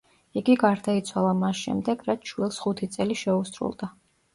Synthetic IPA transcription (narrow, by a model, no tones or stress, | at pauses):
iɡiɡaɾd̪ait̪sʰwalˠamasʃɛ̰md̪ɛɡɾat̪ʃwilˠsχut̪ʰit̪sʼɛliʃɛusɾṵlˠd̪a